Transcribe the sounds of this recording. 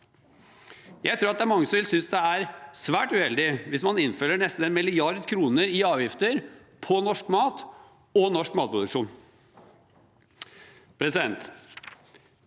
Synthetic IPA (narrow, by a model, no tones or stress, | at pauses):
jæɪt̪ʰɾuːɾɑt̪d̪æɾmɑŋːəsɔmʋɪlsʏnsd̪ɛæɾsʋæːʈʉhɛld̪ɪʋɪsmɑnɪnfœlːəɳɛst̪n̩ɛnmɪlɪɑɾd̪kʰɾuːnəɾɪɑːʋjɪft̪əɾ | pʰɔnɔʂkmɑːt̪ | ɔnɔʂkmɑːt̪̚pʰɾʊd̪ʉkʂuːn | pʰɾɛsɪd̪ɛnt̪